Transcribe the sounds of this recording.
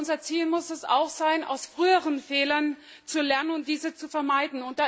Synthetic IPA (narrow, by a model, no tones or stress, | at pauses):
ʊnzɐt͡siːlmʊsɛsa̰ʊxz̥aɪnʔa̰ʊsfʁ̥yːəʁənfeːlɐn | t͡sulɛɐnənʊntd̥iːzət͡sufɛɐmaɪdn̩ʊnt̚d̥aː